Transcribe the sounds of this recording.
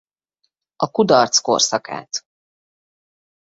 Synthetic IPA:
ɒkud̪ɒrt̪sko̰rsɒka̰ːt̪

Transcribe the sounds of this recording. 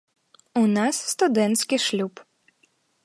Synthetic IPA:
unasːt̪ud̪ɛnt̪skʲiʃlʲup

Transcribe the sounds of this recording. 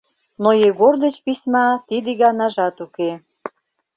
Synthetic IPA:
nojeɣord̪ə̆t͡ɕpisʲmɑt̪id̪eɣɑnɑʒɑt̪uke

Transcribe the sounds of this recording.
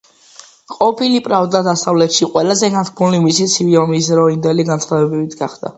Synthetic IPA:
qʼɔpʰilipʼɾavd̪ad̪asavlɛt̪ʃiqʼwɛlazɛɡat̪ʰkʰbʰulimisit̪sʰiviɔmis̬ɾɔind̪ɛliɡansχad̪ɛbɛbit̪ʰɡaχd̪̥a̰

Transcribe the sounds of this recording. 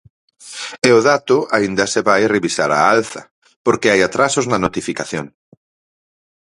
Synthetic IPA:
ɛoðat̪ʊaind̪ɐseβajreβisaɾa̰alθɐ̰ | poɾkeajat̪ɾasʊznɐnot̪ifikaθjo̰ŋ

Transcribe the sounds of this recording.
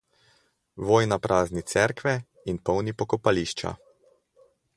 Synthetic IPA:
ʋoːjnapɾʔaːznit̪sɛɾkʋɛ | inpɔwnipɔkɔpaliːʃt͡ʃa̰

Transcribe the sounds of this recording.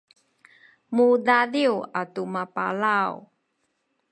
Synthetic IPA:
mudadiwatumapa̰law

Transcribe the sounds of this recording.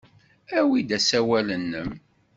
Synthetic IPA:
æwid̪æsæwælənːəm

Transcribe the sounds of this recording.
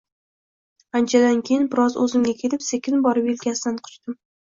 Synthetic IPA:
ant͡ʃʰad̪ankʲʰejɪnbɪɾɒzɵ̰zɪmɡʲakʲʰe̞lɪpsekʲʰɪnbɒɾɪpelkʲasɪd̪anqʰʊ̥t͡ʃt̪ɪm

